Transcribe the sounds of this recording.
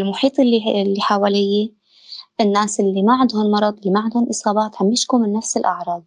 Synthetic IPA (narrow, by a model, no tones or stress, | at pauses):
lmʊħiːt̪ˤlːilːiħawaːlɪjːe | ʔɪnːaːsʔɪlːimaʕɪnd̪hʊnmɑɾˤɑd̪ˤʔɪlːimaʕɪnd̪hʊnʔɨsˤɑːbɑːt̪ʕamjɪʃkumɪnːafsɪlʔɑʕɾˤɑːd̪̚